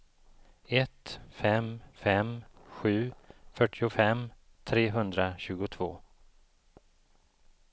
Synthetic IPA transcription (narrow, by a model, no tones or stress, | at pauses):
ɛt̪fɛmfɛmɧʉ̟ːfœʈʰɪʊfɛm | t̪ʰɾeːɦɵnd̪ɾaɕʉ̟ːɡʊt̪ʰv̥oː